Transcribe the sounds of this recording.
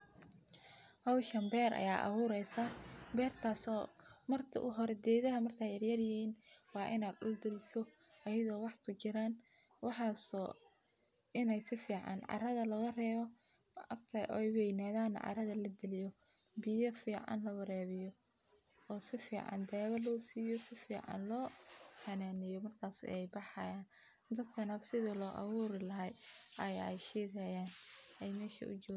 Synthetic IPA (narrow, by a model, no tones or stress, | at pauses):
hɑwʃɐmbɛːɾʔɐ̰jaːʔɐ̰βuːɾɛjsabɛːrt̪ʰaːsɔːmɐrt̪ʰɐ̰ʔʊɦɔɾɛd̪ɛːðɐɦɐmɐrt̪ʰaːjɐrjɐrjɪhiːnwɑːʔɪnaːd̪ʔʊld̪ɪlɪsɔ | ɐjɪðɔːwɑħkʰʊt͡ʃɪɾaːn | wɑħɑːsɔː | ɪnɛjsɪfiːʕɑ̰nʕɑ̰rɐðɐlɐɣɐrɛːβɔ | mʔɐbt̪ʰɐʔɔ̰jwɛjnaːðaːn̰ʕɑ̰ɾɐðɐlɐd̪ɪlɪjɔ | bɪjɐfiːʕɑ̰nlɐwɐɾɛːβɪjɔ | ɔːsɪfḭːʕɑ̰nd̪ɛːβɐlɔːsiːjɔsɪfḭːʕɑ̰nlɔːħɐnaːnɪjɔmɐrkʰaːsɛjbɑħɑjaːn | d̪ɐd̪kʰɐnɐfsɪðilɔːʔɑ̰wuːɾɪlɐɦɐjɐjɛ̰jʃiːɣɐjaːnɛjmɛːʃɐ̰ʔʊ̰t͡ʃɔ